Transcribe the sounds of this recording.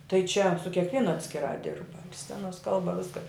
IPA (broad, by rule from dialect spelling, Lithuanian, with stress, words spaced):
tɐɪ t͡ʃʲɛ sʊ kʲɛkˈʋʲiɛnʊ ɐtʲsʲkʲɪˈrɑː ˈdʲɪrbɐ ɪr ˈsʲt͡sʲæːnoːs ˈkɐlˠbɐ ˈʋʲɪskɐ